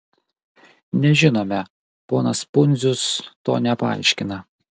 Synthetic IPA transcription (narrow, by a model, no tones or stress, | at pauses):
nʲɛʒʲɪnoːmʲɛ | poːnɐspʊnʲzʲʊst̪o̰ːnʲɛpɐɐ̰ˑɪʃʲkʲɪnɐ